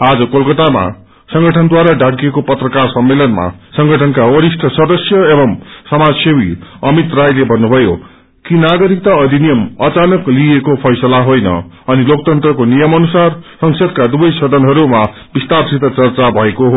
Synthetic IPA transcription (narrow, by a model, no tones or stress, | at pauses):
ad͡zʌkolkʌt̪ama̰ | sʌŋɡʌʈʰʌnd̪waɾaɖaɡiekopʌt̪rʌkarsʌmːelʌnma̰sʌŋɡʱʌʈʰʌnkawʌɾisʈʰʌsʌd̪ʌsjʌebʌmsʌmad͡zsewiʌmit̪rajlebʱʌnːubʱʌjo | kinaɡʌɾik̚t̪aʌd̪ʱinijʌmʌt͡sanʌkliekopʰʌjsʌlaɦojnʌ̰ | ʌnilok̚t̪ʌnt̪rʌkonijʌmʌnusarsʌŋsʌd̪̚kad̪ubʌjsʌd̪ʱʌnɦʌɾuma | b̥ist̪arsit̪ʌt͡sʌrt͡sabʱʌekoɦo